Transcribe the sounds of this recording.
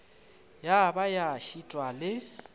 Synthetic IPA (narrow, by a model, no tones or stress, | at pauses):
jabajaʃitʼwalɪ